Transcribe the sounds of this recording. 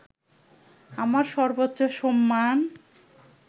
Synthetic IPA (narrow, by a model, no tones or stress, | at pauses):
amaɾʃɔɾbot̪ːɕoʃɔmːan